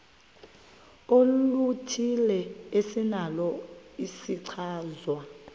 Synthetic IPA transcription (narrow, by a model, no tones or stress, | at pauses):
olutʰilɛesinalɔisiǀʰaːzwa